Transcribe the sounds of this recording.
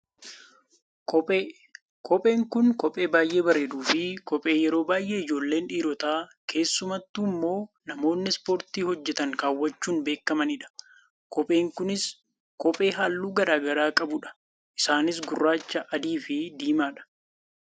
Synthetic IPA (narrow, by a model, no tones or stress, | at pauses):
kː | kɔpʼe̞ːŋkʊnkɔpʼe̞ːbaːjʔe̞ːbɐɾeːd̪uːfɪkɔpʼe̞ːjɛɾo̞ːbaːjʔe̞ːɪd͡ʒo̞ːlːe̞ːnᶑiːɾɔt̪aːkʰe̞ːsːʊmɐt̪ːuːmːo̞ːnɐmo̞ːnːɪspo̞ːɾt̪iːhɔd͡ʒːɛt̪ɐŋkaːwːɐt͡ʃːuːnbe̞ːkːɐmɐnɪᶑɐ̥ | kɔpʼe̞ːŋkʊnɪs | kɔpʼe̞ːɦaːlːuːɡɐɾaːɡɐɾaːkʼɐbʊᶑɐ̥ | ʔɪsaːnɪs̬ɡʊrːaːt͡ʃːɐʔɐd̪iːfɪd̪iːmaːᶑɐ̥